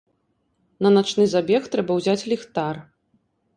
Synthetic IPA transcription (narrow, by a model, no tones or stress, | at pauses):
nɐnat͡ʂnɨzabʲɛxt̪ɾɛbɐwzʲat͡sʲlʲixt̪ar